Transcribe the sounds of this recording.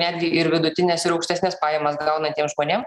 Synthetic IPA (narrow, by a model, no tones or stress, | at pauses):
nʲæːd̪ʲɡʲɪɪɾʋʲɪd̪ʊt̪ʲɪnʲɛsɪɾɐʊkʃʲt̪ʲæːsʲnʲɛːspɑːjɛmɐsɡɐʊnɐnʲt̪ʲiɛmʒmoːnʲeːm